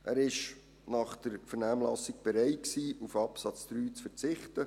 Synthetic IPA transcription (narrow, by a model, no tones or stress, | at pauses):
ʔæːɾɪʃ | nɑχd̥əɾfəɾnæːmlɑsik̚b̥eɾɛɪtksiːufɑpsɑt͡sd̥̪ɾyːt͡sfəɾt͡sɪχtə